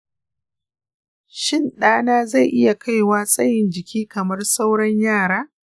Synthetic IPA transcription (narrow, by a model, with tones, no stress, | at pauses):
ʃɪ˦˨nɗaː˦naː˦za˦˨jʔɪ˦ja˨ka˦jwaː˦sʼɐ˦jɪ˨nd͡ʒɪ˨kʲʰiː˦kɐ˨mɐ˦rsa˦wɽɐ˦ɲjaː˦˨ɽaː˦